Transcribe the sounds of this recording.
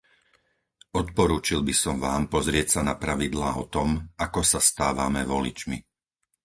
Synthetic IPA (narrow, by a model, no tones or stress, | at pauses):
ɔt̪̚pɔɾuːt͡ʃilbisɔmʋaːmpɔzɾɪɛcsanapɾaʋid̪laːɔt̪ɔmakɔsast̪aːʋamɛʋɔlḭt͡ʃmḭ